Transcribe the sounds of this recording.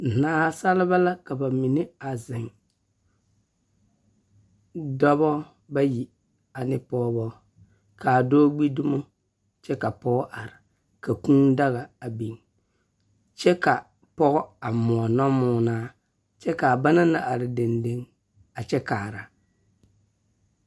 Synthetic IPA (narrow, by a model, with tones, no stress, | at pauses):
naː˦˨sa˦lɪ˦ba˦la˦ka˨ba˨mi˨nɪ˦a˨zɪ˨ŋ | dɔ˦βɔ˦ | ba˦ji˨ | a˨nɪ˦pɔː˦bɔ˦ | ka˨doː˦ɡ͡bi˦dʊ˦mo˦ | t͡ʃɛ˦ka˨pɔ˦ɡɔ˦ʔa˨ɾɪ˨ | ka˨kũː˦da˦ɣa˨a˨bi˨ŋ | t͡ʃɛ˦ka˨ | pɔ˦ɣɔ˦a˨mɔ˨ɔ˨nɔ˦mʊː˦naː˦ | t͡ʃɛ˦ka˨a˨ba˦na˦na˨ʔa˨ɾɪ˨de˨nde˦ŋ | a˨t͡ʃɛ˦kaː˨ɾa˨